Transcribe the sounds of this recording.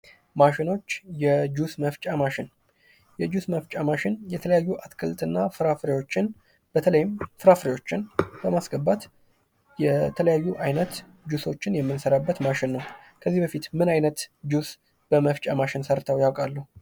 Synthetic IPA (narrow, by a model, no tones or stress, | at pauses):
maʃɪno̞t͡ʃːjɛd͡ʒusməft͡ʃʼamaʃɪn | jɛd͡ʒusməft͡ʃʼamaʃɪnjɛt̪ʰələjajːuʔat̪kʰɨlt̪ʼɨnːafɨɾafɾewo̞t͡ʃːɪn | b̥ət̪ʰələjɪmfɨɾafɾewo̞t͡ʃːɪnb̥əmasɡəbat̪ | jɛt̪ʰələjajːuʔajnət̪ | d͡ʒuso̞t͡ʃːɪnjɛmːɨnsəɾabːət̪maʃɪnːəw | kʰəzːihbəfit̪mɨnajnət̪d͡ʒus | b̥əməft͡ʃʼamaʃɪnsəɾt̪ʰawjawkʼalːəhu